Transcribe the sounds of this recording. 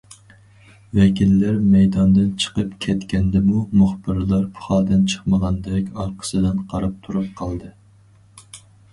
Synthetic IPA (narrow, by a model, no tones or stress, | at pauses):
vɛkʲilːæɾmɛjd̪ɑnd̪ɨnt͡ʃʰə̥qəpkʲʰɛt̪kʲɛnd̪ɛmumuχbɨɾlˠɑɾpʰu̥χɑːd̪ɨnt͡ʃʰə̥χməʁɑnd̪ɛkʲɑɾqʰə̥sɨd̪ɨnqʰɑɾɑp̚t̪ʰuɾup̚qʰɑlˠd̪ɨ